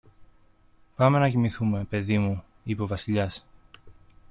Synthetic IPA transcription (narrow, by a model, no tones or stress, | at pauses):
pɐme̞nɐcimiθume̞pe̞ðimu | ipo̞vɐsiʎɐs